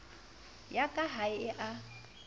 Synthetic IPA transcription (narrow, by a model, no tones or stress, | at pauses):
jakʼaɦaɪɪʔa